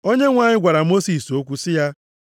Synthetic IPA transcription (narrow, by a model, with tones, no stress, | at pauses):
o˦ɲe˦ŋʷa˨ɲɪ˦ɡʷa˨ɾa˨mo˦si˨so˦kʷu˦sɪ˦ja˦